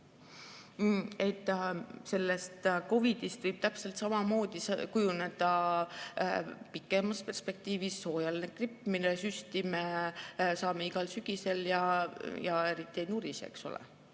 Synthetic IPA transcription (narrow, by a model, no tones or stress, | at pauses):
e̞t̪ːˑse̞lːe̞st̪ko̞vid̪̥ist̪vɯjb̥̚t̪æpse̞lt̪sɑmɑmo̞ːd̪̥iskujune̞d̪̥ɑ | pikːˑe̞mɑspe̞rspe̞k̚t̪iːvisːo̞ːjɑlnekripːˑminesyst̪imesɑːme̞iɡ̥ɑlsyɡ̥ise̞ljɑjɑe̞ɾit̪ˑːiejnuɾisḛkso̰lḛ